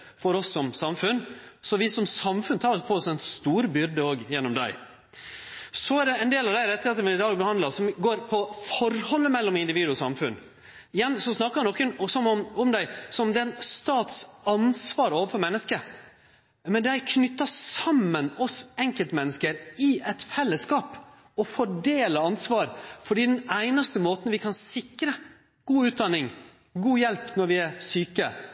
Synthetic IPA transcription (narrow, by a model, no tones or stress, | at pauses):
fɔɾɔsːɔmsɑmfʉnsɔʋɪsɔmsɑmfʉnt̪ʰɑːɾɔpʰɔɔsɛnst̪uːɾbʏɾd̪əoːɡjɛnːɔmd̪æ̰ɪ | sɔæɖ̪ɛɛɪnd̪eːlɑʋd̪æɪɾɛt̪ːəheːt̪əmɪnɪd̪ɑːɡbəhɑnd̪əsɔmɡoːɾpʰɔfɔɾhɔlːəmɛlːɔmɪnd̪ɪʋiːd̪ʉɔsɑmfʉn | ɪjɛnsɔsnɑkːənɔkːənɔsɔmɔmɔmd̪æɪsɔmd̪ɛnst̪ɑːt̪sɑnsʋɑːɾoːʋəfɔɾmɛnːəskə | mɛnd̪ɛækʰnʏt̪ːɑsɑmːənɔsɛŋkəlt̪mɛnːəskəɾɪɛt̪fɛlːəskɑːp | ɔfɔɖeːləɑnsʋɑːɾfɔɖiːd̪ɛnæɪnɑst̪əmoːt̪n̩ʋɪkʰɑnsɪkɾə | ɡ̥uːʉːt̪̚d̪ɑnːɪŋ | ɡuːjɛlpnɔɾʋɪæɾsyːkə